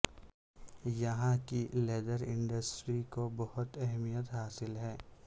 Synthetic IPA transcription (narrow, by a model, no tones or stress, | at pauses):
jɐɦãkileːd̪əɾɪ̃ɳɖəsʈɾikobɐhʊt̪ɛɦmijət̪ɦaːsɪlɦɛː